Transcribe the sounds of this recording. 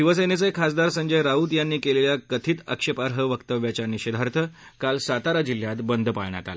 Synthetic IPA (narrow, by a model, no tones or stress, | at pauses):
iʋəsəjnet͡səekʰasd̪aɾsəɲd͡ʑəjɾauːt̪janːiːkeleljakət̪ʰiːt̪ə̰kʂəpaɾɦəʋəkt̪əʋjat͡ɕjaniɕed̪ʱaɾt̪ʰə | kalsat̪aɾad͡ʑil̤ːjat̪bənd̪ʱəpa̰ɭɳja̰t̪a̰lə